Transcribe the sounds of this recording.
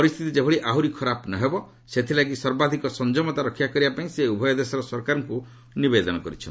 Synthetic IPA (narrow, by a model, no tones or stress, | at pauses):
pɔɾist̪ʰit̪id͡ʒebʱɔɭiʔaɦuɾikʰɔɾapnaɦebɔ | set̪ʰilaɡisɔɾbad̪ʱikɔsɔnd͡ʒɔmɔt̪aɾɔkʰːjakɔɾibapaĩseubʱɔjɔd̪esɔɾɔsɔɾkaɾɔŋku | nibed̪ɔnɔkɔɾit͡ʃʰɔn